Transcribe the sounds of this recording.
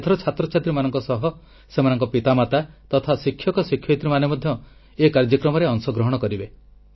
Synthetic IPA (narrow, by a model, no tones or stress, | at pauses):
d̪ʱɔɾɔt͡ʃʰat̪ɾɔt͡ʃat̪ɾimanɔŋkɔsɔɦɔ | semanɔŋkɔpit̪amat̪at̪ɔt̪ʰasikʰːjɔkɔsikʰjɔt̪ɾimanemɔd̪ʱjɔ | ekaɾd͡ʒɔkɾɔmɔɾeɔŋsɔɡɾɔɦɔɽ̃ɔkɔɾibe